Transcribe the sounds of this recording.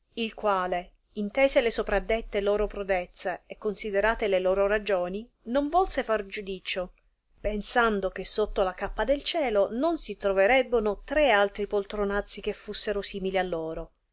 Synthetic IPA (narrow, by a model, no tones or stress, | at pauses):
ilkwaːle | int̪eːzelesopɾad̪ːet̪ːelɔːɾopɾud̪et̪sːeekːonsid̪eɾaːt̪eleloːɾoɾad͡ʒoːni | noɱvɔlsefard͡ʒud̪iːt͡ʃo | pensand̪ok̟esːot̪ːolakapːad̪elt͡ʃɛːlononsit̪ɾoveɾɛbːenot̪ɾealt̪ɾipolt̪ɾonat̪sːik̟efːusːeɾosiːmilialːoːɾo